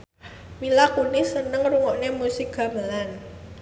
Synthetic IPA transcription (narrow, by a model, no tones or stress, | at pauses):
milakunɪsənəŋruŋɔʔnemusik̚ɡ̥ä̤məlan